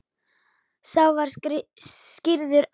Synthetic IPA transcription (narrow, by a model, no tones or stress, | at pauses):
saːwvaɾ̥ɾcɪɾðʏɾ